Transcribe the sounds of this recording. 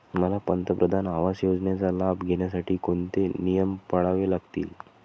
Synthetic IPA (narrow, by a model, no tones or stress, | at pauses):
məlapənt̪əpɾəd̪ʱanaʋasjod͡zɳjat͡salabɡʱeɳjas̬aʈʰiːkoɳt̪enijəmpəɽaʋelaɡt̪ḭːl